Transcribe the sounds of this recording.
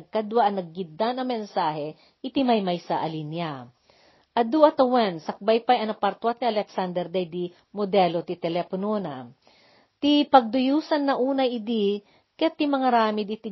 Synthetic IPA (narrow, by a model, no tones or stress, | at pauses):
ɡ̚kad̪waʔɐnɐɡ̚ːɪd̪ːanɐŋmɛnsaːɦɛ | ʔɪt̪imɐjmajsɐʔɐlinja | ʔɐd̪uʔɐt̪ɐwɛnsɐk̚bajpajɐnɐpɐɾt̪wat̪̚niɐlɛksand̪ɛɾd̪ɐjd̪i | mod̪ɛlot̪it̪ɛlɛponona | t̪ipɐɡ̚d̪ʊjuːsɐnːɐʔuːnɐjɪd̪i | kɛt̪ːimɐŋaɾaːmɪd̪̚ʔɪt̪i